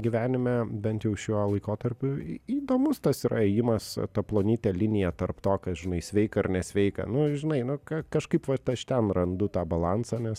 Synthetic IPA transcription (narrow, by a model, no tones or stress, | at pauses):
ɡʲɪʋʲæːnʲɪmʲɛbʲɛnt̪jɛʊʃʲuɔlˠɐɪkoːt̪ɐɾʲpʲʊiːd̪oːmʊst̪ɐsiɾʔɐɛjɪmɐst̪ɐplˠoːnʲiːt̪ʲɛlʲɪnʲɪjɛt̪ɐrpt̪oːkɐsʒʲɪnɐɪsʲʋʲɛɪkɐɪrnʲɛsʲʋʲɛɪkɐ̰nʊʒʲɪnɐɪnʊkɐkɐʃkɐɪpʋɐt̪ɐʃt̪ʲɛnrɐnd̪ʊt̪ɑːbɐlˠɑnsɑːnʲɛs